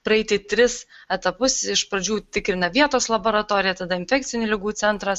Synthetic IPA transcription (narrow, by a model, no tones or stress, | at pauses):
pɾɐɛɪt̪ʲɪt̪ʲɾʲɪsɛt̪ɐpʊsɪʃpɾɐd͡ʒʲuːt̪ʲɪkɾʲɪnɐʋʲiɛt̪oːslˠɐboːɾɐt̪oːɾʲɪjɛt̪ɐd̪ɐɪnʲfʲɛk̚tsʲɪnʲuːlʲɪɡuːt̪sʲɛnt̪ɾɐs